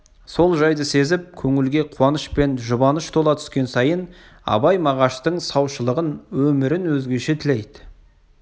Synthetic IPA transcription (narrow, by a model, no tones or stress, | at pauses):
so̞lˠʒɑjd̪əse̞zɪp̚kʲʰɵŋɪlɡʲe̞qʰʊwɑnəʃpe̞nʒʊbɑnəʃt̪ʰo̞lˠɑt̪ʰʏ̥skʲe̞nsɑjən | ɑ̰bɑjmɑʁɑʃt̪əɴsɑwʃəlˠəʁənwɵmɪɾɪnwɵzɡʲe̞ʃe̞t̪ʰɪlejd̪ɪ̥